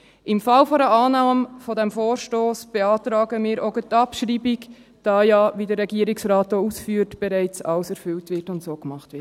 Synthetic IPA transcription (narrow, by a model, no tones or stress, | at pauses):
ʔɪmfɑlfɔɾəʔɑːnɑːmfɔdɛmfoːɾʃtoːsb̥eɑːtɾɑːɡəmiːɾoɡətɑpʃɾiːbik | d̥ɑːjɑːʋidəɾːɛɡiəɾɪksɾɑːtousfyːɾtb̥ɛɾɛɪt͡sɑ̰lsɛɾfʏltʋɪrtʊntsoːkmɑχtʋɪt